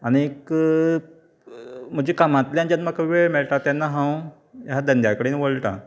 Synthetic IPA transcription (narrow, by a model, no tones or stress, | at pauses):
aɽ̃iek | m̤əd͡ʑekamat̪ljãnd͡ʑanməkʰʋemeɭʈat̪janːaɦãw | jɦad̪ənd̪jakəɽeːnʋoɭʈã̰